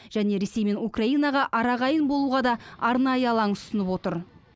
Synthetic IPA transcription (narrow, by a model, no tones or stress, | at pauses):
ʒ̥æne̞ɾe̞se̞jme̞nukraijnɑʁɑʔɑɾɑʁɑjənbo̞lˠuʁɑd̪ɑɑɾnɑjəɑlˠɑnʊsənəpwo̞t̪əɾ